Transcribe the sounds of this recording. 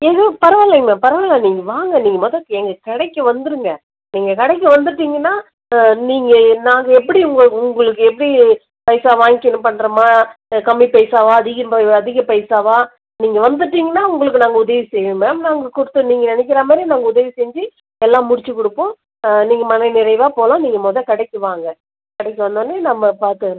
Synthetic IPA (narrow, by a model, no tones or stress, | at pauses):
ɛŋɡɐpɐɾɐʋɐlɐmɐ̃pɐɾɐʋɐlãniːŋɡɐʋaːŋɡɐniːŋɡɐmɔðɐkːɯɛŋɡɐkɛɽɐɪkːɯʋɐnd̪ɯɾɯŋɡɐ | niːŋɡɐkɛɽɐɪk̬ːɐʋɐnd̪ɯʈːiːŋɡɐnːaː | niːŋɡɐnaːŋɡɐɛpːɐɽiʊŋɡɐɭʊŋɡɐɭɯkːɯɛp̬ːɐɽi | pɐjsaːʋaːŋɡɪnːɯpɐɳːɾɐmaːkɐmːipeːsaːʋaːɐðɪɣɐɐðɪɣɐpɐɪsaːʋaː | niːŋɡɐʋɐnd̪ɯʈːiːŋɡɐnːaːʊŋɡɐɭɯk̬ːɯnaːŋɡɐʊðɐʋisɛjʋɯmɐnaːŋɡɐkʊɽɯt̪ːɯniːŋɡɐnɪnɛk̬ʲːɪɾaːmaːd̪ɾinaːŋɡɐʊðɐʋisɛɲd͡ʒi | ɛlːãːmʊɽɪt͡ʃːɯkʊɽɯpːõː | niːŋɡɐmɐnɐɪnɪɾɐɪʋaːpoːlãːniːŋɡɐmoːðɐkɐɽɐɪkːɯʋaːŋɡɐ | kɐɽɐɪkːɯʋɐnd̪oːnːenɐmːɐpaːɾt̪ɯɾ